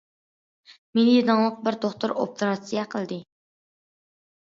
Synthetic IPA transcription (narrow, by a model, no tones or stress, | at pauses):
menɪjed̪ɑŋlˠəq̚bɪɾt̪oχt̪uɾo̰pɾɑsijɛqʰəlˠd̪ɨ